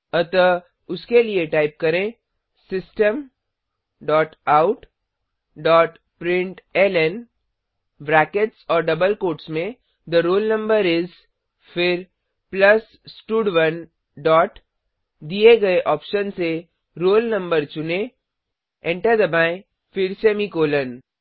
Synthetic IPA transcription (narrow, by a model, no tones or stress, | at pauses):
ɐt̪ə | ʊskelieʈaːɪp̚kɐɾẽ | sɪsʈəm | ɖɔːʈaːʊʈ | ɖɔːʈ | pɾɪ̃ɳʈɛlɛn | bɾɛːkeʈsɔːɾɖɐbəlkoːʈsmẽ | d̪əɾoːlnɐ̃mbəɾɪz | fɪɾ | plɐs | sʈuːɖʋɐn | ɖɔːʈ | d̪ieɡɐeʔɔːpʃənse | ɾoːlnɐ̃mbəɾt͡ʃʊnẽ | ɛ̃ɳʈəɾd̪ɐbãːẽ | fɪɾseːmikoːlən